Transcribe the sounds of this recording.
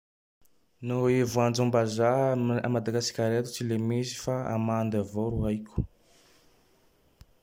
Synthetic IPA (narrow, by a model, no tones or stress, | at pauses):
noevuand͡ʒambazaa̰mad̪aɡasi̥kʲaɾet̪u̥t͡silemesi̥faa̰mand̪avoɾuajkʲu̥